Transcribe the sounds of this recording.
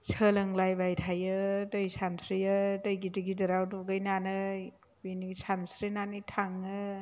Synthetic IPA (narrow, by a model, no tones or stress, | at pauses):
sʰəlɯŋlajbajtʰajɯtəjsʰansʰɾijɯtəjɡitiɡidɯɾawduɡɯjnanɯ | binisʰansɾinanitʰaŋɯ